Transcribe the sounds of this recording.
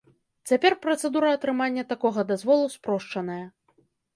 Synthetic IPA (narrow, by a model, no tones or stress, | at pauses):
t͡sʲapʲɛrpɾɐt̪sɛd̪uɾɐːt̪ɾɨmanʲːɐt̪akɔɣɐd̪azvɔlˠuspɾɔʂt͡ʂɐnɐjɐ